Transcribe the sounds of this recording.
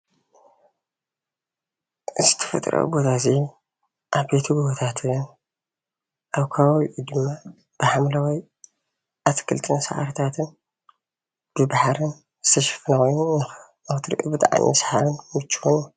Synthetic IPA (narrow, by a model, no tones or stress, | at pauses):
zɨt̪ʰɐ̥fɐ̰t̪ʼɾo̰bo̞t̪ʰazi | ʔaβbe̞t̪ʰuɡuβot̪ʰat̪ʰɨn | ʔaβkʰaβaβiʔud̪ɨmːa | b̥ɨħamlawij | ʔat̪ʰkʰɨlt̪ʼɨnsa̰ʕa̰ɾt̪ʰat̪ʰɨn | b̥ɨbaħɾɨn | zɨt̪ʰɐʃɐ̥fɨnaxojːunɐx | axt̪ʰɨɾḭʔṵbɨt̪ʼaʕa̰nʔḭsħaβɨnmɨt͡ʃːuonu